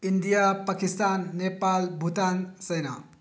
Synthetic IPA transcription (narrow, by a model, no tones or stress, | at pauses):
ind̪ijapakist̪anːepalbʱut̪ansɐjna̰